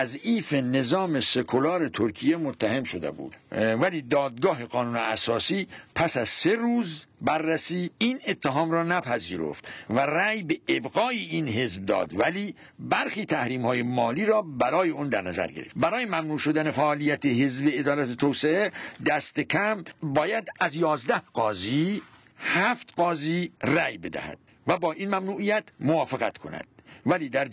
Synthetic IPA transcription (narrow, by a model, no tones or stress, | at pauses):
æziːfe̞ne̞zɒːmese̞kʰolɒːɾe̞t̪ʰoɾkʰijemot̪ʰːæhemʃod̪ḛbṵːd̪̥væliːd̪ɒːd̪̚ɡɒːɦe̞ɡɒːnuːneæsɒːsiːpʰæsæz̥se̞ɾuːzbæɾːæsiːiːne̞t̪ʰːeɦɒːmɾɒːnæpʰæziːɾo̰ft̪væræːjbeːbɣɒːiiːnɦe̞zb̚d̪ɒ̰ːd̪væliː | bæɾχiːt̪ʰæhɾiːmhɒːje̞mɒːliːɾɒːbæɾɒːje̞ond̪æɾnæzæ̰ɾɡḛɾeft̪bæɾɒːjemæmnuːʃo̞d̪æne̞fæʔːlijæt̪ʰeɦezbeːd̪ɒːlæt̪et̪ʰoːseʔed̪æst̪ekʰæmbɒːjæd̪æzjɒːzd̪æhɢ̥ɒːziː | hæft̪ɡɒːziːræjbe̞d̪æ̰hæ̰d̪̥ | væbɒːʔinmæmnuːʔijæt̪ʰmovɒːfeɣæt̪kʰo̞̰næ̰d̪̥væliːd̪æɾ